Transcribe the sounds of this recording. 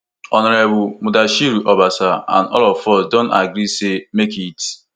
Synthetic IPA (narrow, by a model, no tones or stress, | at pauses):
ɔnɔɾebʊmʊdaʃiɾuʔɔbasaa̰nɔ̰lɔfɔsdontaɡɾisemekit